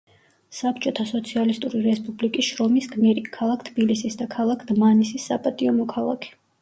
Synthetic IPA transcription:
sapt͡ʃʼɔt̪ʰasɔt̪sʰialist̪ʼuɾiɾɛspʼublikʼisʃɾɔmisɡmiɾikʰalˠakʰt̪ʰb̥ilisisd̪akʰalˠakʰd̪manisisːapʼat̪ʼiɔmɔkʰalˠa̰kʰɛ̥

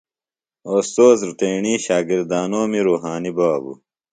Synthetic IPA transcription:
oːst̪oːzɾt̪eːɳiːɕaːɡiɾd̪aːnoːmiɾuːɦaːnibaːbṵ

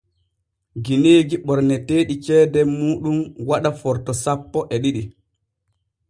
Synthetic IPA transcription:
ɡineːɡiɓɔɾnɛteːɗit͡ʃɛːdɛmuːɗumwaɗafɔɾtɔsapːɔʔɛɗiɗi

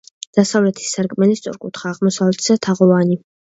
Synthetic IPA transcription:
d̪̥asavlɛt̪ʰi̥sːaɾkʼmɛlist̪sʼɔ̰ɾkʼut̪ʰχaːʁmɔsavlɛt̪ʰsat̪ʰaʁɔvani

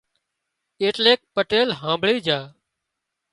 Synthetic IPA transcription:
eːʈleːk̚pəʈeːlɦãːmbʱɭiːd͡ʒaː

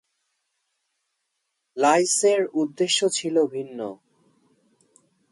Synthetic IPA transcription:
lajseɾud̪ːeʃːot͡ɕʰilobʱinːo̰

